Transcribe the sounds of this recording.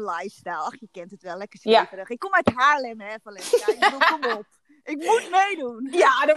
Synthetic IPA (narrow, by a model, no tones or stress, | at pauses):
lajfstalˠɔxjəkɛntətʋɛlˠɛkəstrəxɪkːomɛthaːlɪməɛfɔlɛaomop̚ | ʔɪk̚mutmejdunjadə